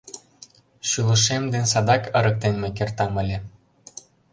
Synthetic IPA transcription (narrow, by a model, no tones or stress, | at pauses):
ɕylˠə̆ʃemd̪ensɑd̪ɑkəɾək̚t̪enmek̬ert̪ɑmə̆lʲe